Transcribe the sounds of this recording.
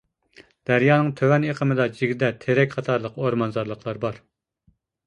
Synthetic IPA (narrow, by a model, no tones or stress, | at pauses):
d̪̥æɾjɑːnɨŋt̪ʰøwɛneqʰəmɨd̪ɑd͡ʒiɡʲd̪ɛt̪ʰeɾɛkʲqʰɑt̪ʰɑɾlˠəqoɾmɑnzɑɾlˠəqlˠɑɾbɑɾ